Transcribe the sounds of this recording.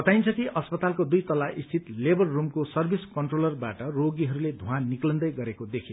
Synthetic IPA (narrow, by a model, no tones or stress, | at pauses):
ʌt̪ajnt͡sʰʌkiʔʌspʌt̪alkod̪ujt̪ʌlaʔist̪ʰit̪lebʌrːumkosʌrbʱiskʌɳʈrolʌrbaʈʌroɡiɦʌɾuled̪ʱuɦãnniklʌnd̪ʌjɡʌɾekod̪ekʰe